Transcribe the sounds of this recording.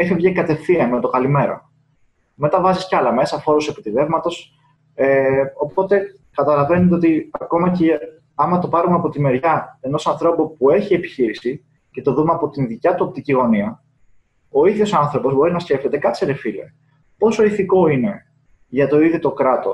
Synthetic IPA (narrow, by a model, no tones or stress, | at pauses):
ixivʝekɐt̪e̞fθiɐmet̪o̞kɐlime̞ɾo̰ | me̞t̪ɐvɐziscɐlɐme̞sɐfo̞ɾuse̞pit̪iðe̞vmɐt̪o̞s | eo̞po̞t̪e̞ | kɐt̪ɐlɐve̞net̪eot̪iɐko̞mɐce | ɐmɐt̪o̞pɐɾumeɐpo̞t̪ime̞ɾʝɐe̞no̞sɐnθɾo̞pupue̞çie̞pi̥çiɾisi | ce̞t̪o̞ðumeɐpo̞t̪inðicɐt̪uɐpt̪iɟiɣo̞niɐ | o̞iðjo̞sɐnθɾo̞po̞zbo̞ɾinɐsce̞ft̪et̪e̞kɐseɾefile̞̰ | po̞soiθiko̞ine̞ | ʝɐt̪o̞iðit̪o̞kɾɐt̪o̞s